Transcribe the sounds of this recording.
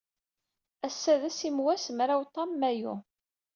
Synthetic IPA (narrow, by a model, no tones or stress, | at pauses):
æsːæðæsimwæsmɾawt̪ˤɑmːæjṵ